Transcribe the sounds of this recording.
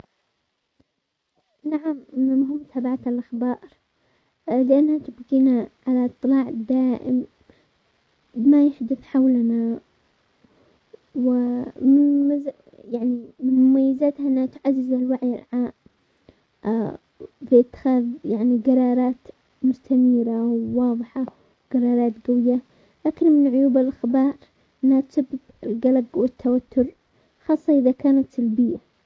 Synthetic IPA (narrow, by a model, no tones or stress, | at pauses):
naʕamɪmɦɪmːt̪ʰaːbaʕat̪alʔaxbɑːɾˤ | lɪʔanːhat̪ɪbɡiːnaʕalat̪ˤːɨlɑːʕd̪aːʔɪ̰m | ɪmajaħd̪ʊθħawlana | wɪmɪnmz | jaʕnimɪnmʊmajːɪzat̪haʔɪnːhat̪ʕazːɪzalwaʕjɪ̰lʕaːm | bɪʔɪt̪ːɪ̥xaːðjaʕniɡɑɾˤɑːɾˤɑːt̪ | mʊst̪amiːɾawːɑːðˤɨħɑ | wɡɑɾˤɑːɾˤɑːt̪ɡawɪjːa | laːkɪnmɪnʕʊjuːbɪlʔaxbɑːɾˤ | ʔɪnːhat̪sabːɪbɪlɡalaɡwɪt̪ːawat̪ːʊɾ | xɑːsˤːɑʔɪðakaːnat̪ɪlbɪjːa